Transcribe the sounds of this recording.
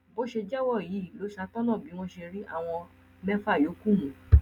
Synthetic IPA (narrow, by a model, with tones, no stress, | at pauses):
bo˨˦ʃe˧d͡ʒɛ˦wɔ˦˨ji˨˦˨lo˨˦ʃa˧tɔ̃˦nã˦˨bi˨˦w̃ɔ̃˦ʃe˧ɾi˦ʔa̰˦˨w̃ɔ̃˧ | mɛ̃˦fa˦˨jo˨˦kũ˦˨mũ˨